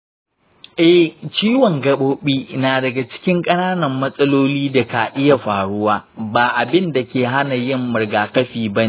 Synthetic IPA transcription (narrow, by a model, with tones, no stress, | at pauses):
ʔɛ˦ht͡ʃiː˦wɔ˨ŋɡɐ˦ɓoː˦ɓiː˦naː˨dɐ˨ɡa˨t͡ʃɪ̥˦kʲɪ˦ŋkʼɐ˦naː˦nɐ˨mːɐ˦sʼɐ˦loː˦liː˦da˨ka˨ʔɪ˦ja˨ɸaː˨ɽʊ˦waː˦baː˨ʔa˨bɪ˦nda˨kʲeː˨ɦa˦na˨jɪ˦mːʊ˨rɡaː˨kɐ˦ɸiː˨bɐ˦ni˦